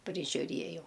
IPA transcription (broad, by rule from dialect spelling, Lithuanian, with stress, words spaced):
pʲrʲɪʒʲʊˈrʲiɛjɛʊ